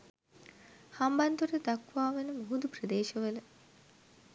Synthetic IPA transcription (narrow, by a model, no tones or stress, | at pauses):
hambant̪uɾəd̪akʋaːʋenəmoɦud̪uprəd̪eːʃəʋələ